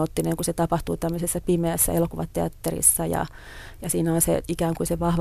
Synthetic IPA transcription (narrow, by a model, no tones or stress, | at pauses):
ot̪ːineŋkuset̪ɑpɑht̪uːt̪æmːøsesːɑpimeæsːæ̰elokuʋɑt̪eɑ̰t̪ːerḭsːɑjɑ̰ | jɑsiːnæonsḛikæːŋkuiseʋɑhʋ